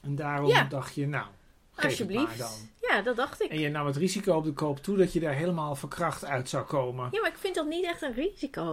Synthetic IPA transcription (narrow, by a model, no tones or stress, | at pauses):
ɛndaːrɔmdɔxtjənaw | xejbliadɔnjadɔdɑxtɪɛnjənɔmətrizikoɔp̚dəkoːptʰudɔtjədaːɹɦeːləmaːlˠfəkrɑxtœɥtsawkoːmənjamaɪkfɪntdɔtnitɛxtənriziko